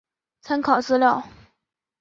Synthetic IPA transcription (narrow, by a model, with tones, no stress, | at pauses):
t͡sʰa˥nkʰɑ˨˩ʊt͡sɹ̩˥ljɑ˥˩ʊ